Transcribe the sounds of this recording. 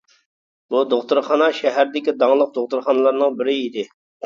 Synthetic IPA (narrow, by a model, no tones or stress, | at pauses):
bud̪oχt̪ʊɾχɑnɑʃɛɦæɾd̪ɪkʲid̪ɑŋlˠəq̚d̪oχt̪ʊɾχɑnɨlˠɑɾnɨŋbɪɾɪid̪ɪ